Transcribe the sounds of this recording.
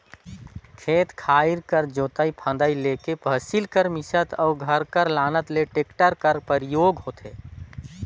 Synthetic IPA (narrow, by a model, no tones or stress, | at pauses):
kʰeːt̪kʰaːɪɾkəɾd͡ʒoːt̪aipʰə̃nd̪aileːkepəsilkəɾmɪsət̪ɔːɡʱɐɾkəɾlaːnət̪leʈeːkʈəɾkəɾpəɾjoːɡɦoːt̪eː